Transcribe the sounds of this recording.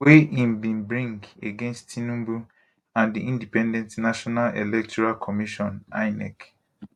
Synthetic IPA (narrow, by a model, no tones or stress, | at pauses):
weĩmbĩnbɹĩŋɡeɡẽnstinũmbu | ãndiʔĩndipɛ̃ndɛ̃ntnaʃɔnalḛlɛk̚tʰɔɹalkʰɔmiʃɔ̃naɪnɛ̰k